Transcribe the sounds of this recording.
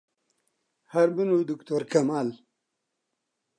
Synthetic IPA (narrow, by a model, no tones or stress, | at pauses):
hɐɾbinud̪ukt̪oːɾkɐmaːl